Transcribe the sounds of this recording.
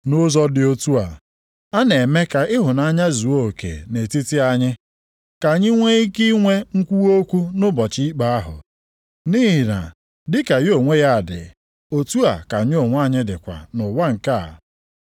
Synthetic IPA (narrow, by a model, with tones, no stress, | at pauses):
nʊ˦zɔ˦dɪ˨o˦tu˦a˨ | a˦ne˨me˦ka˨ɪ˦ɦʊ˨na˦˨ɲa˦zu˨o˦o˨kḛ˨ne˨ti˦ti˦a˦ɲɪ˦ | ka˨ɲɪ˦ŋʷe˦i˦ki˦ŋʷe˦ŋ̩˦kʷu˦o˦kʷu˦nʊ˦bɔ˨t͡ʃi˦i˦k͡pa˦a˦ɦʊ̰˨ | niː˦ɦi˨na̰˨ | dɪ˦ka˨jo˨ŋʷe˦ja˦˨dɪ̰˨ | o˨tu˦a˨ka˨ɲ˦o˨ŋʷ˦a˦˨ɲɪ˦dɪ˨kʷa̰˨nʊ˨wa˦ŋ̩˨ka̰˦˨